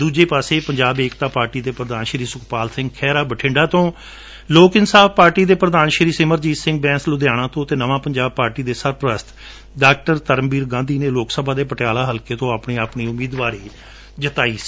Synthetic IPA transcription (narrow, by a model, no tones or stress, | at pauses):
d̪uːd͡ʒeːpaːseːpəɲd͡ʒaːbeːkt̪aːpaːɾʈiːd̪eːpɾəd̪aːnʃɾiːsʊkpaːlsɪ̃ŋɡ̚kʰɛːɾaːbəʈʰɪ̃ːɳɖaːt̪õː | loːkɪnsaːbpaːɾʈiːd̪eːpɾəd̪aːnʃɾiːsɪməɾd͡ʒiːsɪ̃ŋɡ̚bɛ̃ːnslʊd̪jaːɽ̃ãːt̪õːt̪eːnəʋãːpəɲd͡ʒaːb̚paːɾʈiːd̪eːsəɾpəɾəst̪ | ɖaːk̚ʈəɾt̪əɾəmbiːɾɡãːnd̪iːneːloːksəbʱãːd̪eːpəʈɪjaːlaːɦəlkeːt̪õːaːpɳiːaːpɳiːʊmiːd̪ʋaːɾiː | d͡ʒət̪aːiːsi̥ː